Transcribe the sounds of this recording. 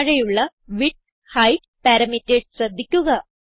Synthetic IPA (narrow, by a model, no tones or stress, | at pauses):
ɻɐjuɭːɐ | ʋiʈ̚ | hɐjʈ | pɐɾɐmitːeɖsrɐd̪ʱːikʲːuɣɐ